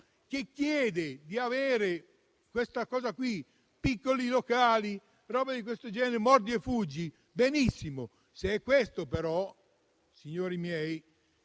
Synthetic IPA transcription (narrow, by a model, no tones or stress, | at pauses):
k̟ekːjɛːd̪ed̪iaveːɾe | kwest̪akɔːzakwi | pikːolilokaːli | ɾɔːbad̪ikwest̪od͡ʒɛːneɾmɔɾd̪iɛfud͡ʒːi | benisːimo | seɛkːwest̪opeɾɔ | siɲːoːɾimjɛj